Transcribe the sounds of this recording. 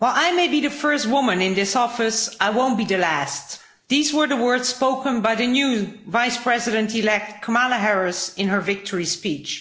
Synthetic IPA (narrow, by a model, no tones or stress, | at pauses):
waɪlˠaɪmeɪbiðɨfɜ˞st̚wʊmɨ̃nɪ̃nðɪsɔfɨsaɪwõʊ̃nb̥iðɨlæst | ðizwə˞ðəwɜ˞dz̥spoʊkə̃nbaɪðɨnjuvaɪspʰɹ̥ɛzɨɾɨ̃ntilɛk̚t̚kʰəmalˠəɦɛɹɨsɨ̃nə˞vɪk̚tʰəɹispit͡ʃ